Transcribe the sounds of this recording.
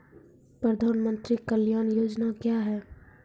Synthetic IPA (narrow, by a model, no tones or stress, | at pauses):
pɾəd̪ʱaːnmə̃nt̪ɾikəljaːnjoːd͡ʒnakjaɦɛː